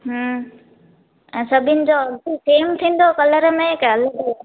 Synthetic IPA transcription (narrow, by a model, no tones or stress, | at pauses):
ɦə | ɛ̃ːsəbʱɪnɪ̆d͡ʑoəbiseːmt̪ʰĩːn̆d̪okɐləɾmẽkələɡ